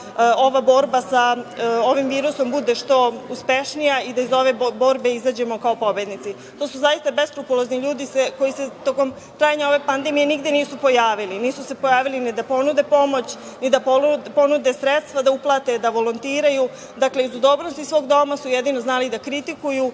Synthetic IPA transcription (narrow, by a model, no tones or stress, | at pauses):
o̞ʋabo̞ːɾbasao̞ʋimʋiːɾuso̞mbud̪e̞ʃt̪o̞uspe̞ʃnijaid̪aizo̞ʋe̞bo̞ːɾbe̞izaːd͡ʑe̞mo̞kaopo̞bed̪nit̪si | t̪o̞ːsuzajist̪abe̞st̪ɾupulˠozniʎuːd̪iseko̞jise̞t̪o̞ːko̞m | t̪ɾaːjaɲao̞ʋe̞pand̪e̞mije̞niɡd̪eniːsupo̞jaːʋiliniːsusepo̞jaːʋilinid̪apo̞nud̪e̞po̞mo̞t͡ɕ | nid̪apoupo̞nud̪e̞sɾet̪st̪ʋad̪auplˠaːt̪e̞d̪aʋo̞lont̪iːɾaju | d̪akle̞izud̪oːbnost̪isʋo̞ɡd̪o̞masujed̪ino̞znaːlid̪akɾit̪ikuju